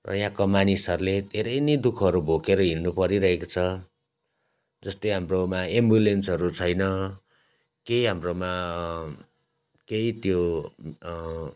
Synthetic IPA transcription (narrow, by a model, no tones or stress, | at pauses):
rʌ̰jãkomanisʌɾuled̪ʱeɾʌjnʌjd̪ukʰʌɾubʱokeɾʌɦilnupʌɾiɾʌɦekot͡sʰʌ | d͡zʌst̪ojɦamromaembulensɦʌɾut͡sʰʌjnʌ | keiɦamroma | keit̪jo